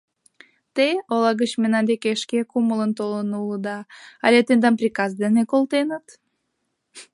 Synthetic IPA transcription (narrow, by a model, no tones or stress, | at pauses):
t̪eolˠɑɣət͡ɕmenɑnd̪ekeʃkekumələnt̪olənulˠəd̪ɑɑ̰lʲet̪end̪ɑmprʲikɑzd̪enekolˠt̪enət̪